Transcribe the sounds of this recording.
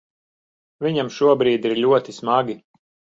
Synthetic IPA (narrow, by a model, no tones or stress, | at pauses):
viɲamʃuɔbɾiːd̪iɾʎʲuɔt̪ismaɡʲi